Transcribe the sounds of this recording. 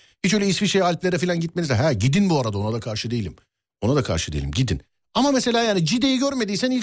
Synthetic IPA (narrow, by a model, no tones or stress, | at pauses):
hit͡ʃø̞jlʲeɛisfiʃejalʲplʲe̞ɾɛfilʲanɟit̪menizɛɦæɟid̪inbuaɾad̪ao̞nad̪akʰaɾʃɯd̪e̞jilʲim | o̞nad̪akʰa̰ɾʃɯd̪e̞̰ḭlʲimɟid̪ḭn | amamese̞lʲaːjaːnid͡ʒid̪ejiɟøɾme̞d̪ijsæni